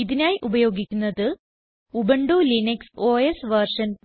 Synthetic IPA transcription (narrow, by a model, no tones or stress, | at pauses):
iðinaːjiʔubɐjo̞ːɡikʲːunːɐðɨ | ubɐɳɖuːlinɐksoːesʋɐrʂɐn